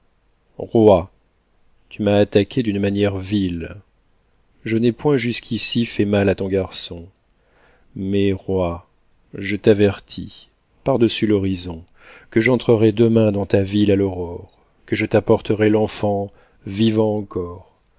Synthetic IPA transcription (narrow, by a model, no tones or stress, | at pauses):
ʁwa | t̪ʰymaːt̪akʲʰed̪ynmanjɛʁvil | ʒənɛpwɛ̃ʒyskʰʲisifɛmalat̪ɔ̃ɡaʁsɔ̃ | mɛʁwa | ʒət̪avɛʁt̪ʰḭ | paʁd̪əsylɔʁizɔ̃ | kəʒɑ̃t̪χəʁɛd̪əmɛ̃d̪ɑ̃t̪avilalɔʁɔʁ | kəʒət̪apɔʁt̪əʁɛlɑ̃fɑ̃ | vivɑ̃ɑ̃kɔʁ